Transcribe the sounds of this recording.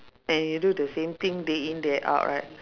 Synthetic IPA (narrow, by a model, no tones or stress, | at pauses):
ɛ̃njududəsẽmt̪ĩŋdeĩndɛʔa̰ʊʔɹa̰ɪt̚